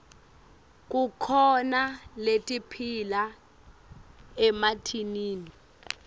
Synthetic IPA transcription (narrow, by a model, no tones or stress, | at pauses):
k̬ʼukʰɔnaletʼipʰila | ɛmatʰiniːni